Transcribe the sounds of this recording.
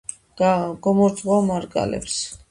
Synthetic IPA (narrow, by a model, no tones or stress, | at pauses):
ɡ̥ɔmɔɾd̪zʼʁɔmaɾkʼa̰lɛ̰ps